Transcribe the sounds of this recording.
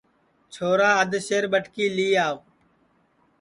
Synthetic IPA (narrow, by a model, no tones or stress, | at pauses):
t͡ʃʰoːɾaːəd̪ʃeːɾɓəʈkiːliːaːo